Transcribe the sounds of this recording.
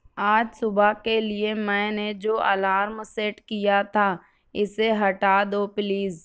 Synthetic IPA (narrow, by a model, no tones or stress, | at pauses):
aːd͡ʒsʊbakeliemɛ̃ːned͡ʒoːʔalaːɾmseʈkijat̪ʰa | ɪseɦɐʈaːd̪opliːz